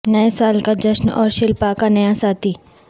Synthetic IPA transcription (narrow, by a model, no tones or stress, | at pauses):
nɐɛsaːlkad͡ʒɐʃnɔːɾʃɪlpakanɐjasaːt̪ʰiː